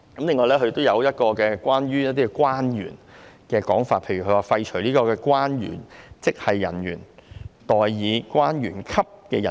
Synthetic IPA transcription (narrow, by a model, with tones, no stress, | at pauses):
kɐ˨˥mlɪ˨ŋːɔː˧lɛː˥kʰɵ˨˧t̪o˥wjɐ˨˧wjɐ˥t̚kɔː˧kɛː˧kʷaː˥nɥyː˥jɐ˥t̚t̪iː˥kɛ˧kwaː˥njy̰ː˨˩nkɛː˧kɔː˨˥ŋfaː˧t̚pʰe˨jɥy˨kʰɵ˧waː˨fɐ˧jt͡ʃʰɵ˨˩ɥliː˥kɔː˧kɛː˧kwaː˥njy̰ː˨˩nt͡sɪ˥k̚hɐ˨jːɐ̰˨˩njyː˨˩nt̪ɔː˨jjiː˨˧kwaː˥njyː˨˩nkʰɐ˥p̚kɛ̰ː˧jɐ˨˩